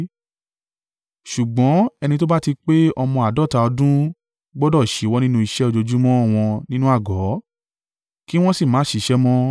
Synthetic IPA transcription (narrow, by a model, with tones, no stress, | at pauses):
ʃu˨ɡ͡bɔ̃˨˦ɛ˧nĩ˧to˦ba˦ti˧k͡pe˦ɔ˧mɔ̃˧a˨dɔ˦˨ta˧ɔ˧dũ˦ | ɡ͡bɔ˦dɔ˦˨ʃi˨˦wɔ˦nĩ˦nũ˦i˧ʃɛ˦o˧d͡ʒo˧d͡ʒu˦mɔ̃˦˧˨w̃ɔ̃˧nĩ˦nũ˦a˦˨ɡɔ˨˦ | ki˦w̃ɔ̃˦si˦˨mã˨˦ʃi˨ʃɛ˦mɔ̃˦